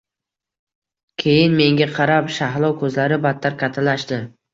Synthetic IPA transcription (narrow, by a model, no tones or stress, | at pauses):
kʲʰe̞jɪnme̞ŋɡʲaqʰɑɾapʃaɦlˠɒwkʰɵzlaɾɪbat̪ʰːaɾkʲʰat̪ʰalaʃt̪ɪ